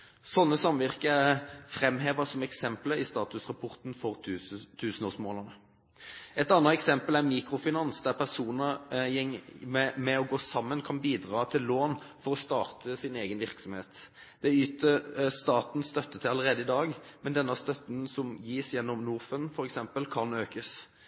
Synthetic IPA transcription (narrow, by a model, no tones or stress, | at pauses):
sɔnːəsɑmːʋɪʁkəæʁfɾɛmːɦeːʋəsɔmɛksɛmpləɪst̪ɑːt̪ʉsʁɑpʰɔʁt̪nfɔʁt̪ʰʉːsənoːsmoːlɑnə | ɛt̪ɑnːɑɛksɛmpəlæʁmiːkɾʊfɪnɑnsd̪æʁpʰæʁsuːnəɛŋmɛɔɡoːsɑmːənkʰɑnbiːd̪ʁɑːt̪ʰɪlloːnfɔʁɔst̪ɑːʁt̪ʰəsɪneːɡənʋɪɾksɔmheːt̪ | d̪̥ɛyːt̪əst̪ɑːt̪n̩st̪œt̪ːət̪ʰɪlɑləɾʁeːd̪əɪd̪ɑːɡmɛnd̪ɛnːəst̪œt̪nsɔmjiːsjɛnːɔmnuːʁfənfɔɾɛksɛmpəlkʰɑnøːkəs